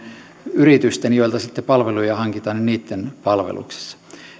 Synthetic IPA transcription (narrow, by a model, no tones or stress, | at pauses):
yrit̪yst̪enjoilt̪ɑsit̪ːepɑlʋelujɑhɑŋkit̪ɑnynniːt̪ːenpɑlʋḛlṵkse̥sːɑ̥